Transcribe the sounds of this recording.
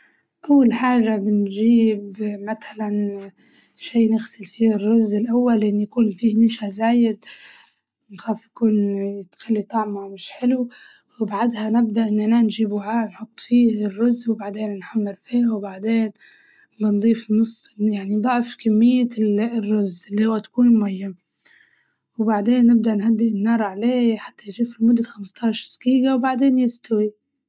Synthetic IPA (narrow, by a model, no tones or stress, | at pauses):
ʔawːalħaːʒabɪnʒiːbmat̪alan | ʃiːnɪɣsɪlfiːrːʊzːɪlʔawːalːʔɪnːjakuːnfiːhnɪʃazaːjɪd̪ | nxaːfjakuːnjɪt̪xalːit̪ˤɑʕmamɪʃħɪlu | wbaʕad̪hanɪb̚d̪aʔɪnːʔananʒiːbwaʕaːʔnħʊt̪ˤːfiːrːʊzːwbaʕd̪eːnnħamːɪɾfiːhawbaʕd̪eːn | bɑnd̪ˤiːfɪnːʊsˤjaʕnid̪ˤɑʕfkamːɪjːarːʊzɪlːihʊwːat̪ḁkuːnmmajːa | wbaʕd̪eːnːɪb̚d̪aʔnɦad̪ːɪʔɪnːɑːɾˤʕaleːħat̪ːanʃiːfilmʊd̪ːaxamst̪ʰɑːʃɾskiːɡawbaʕd̪eːnjɪst̪awi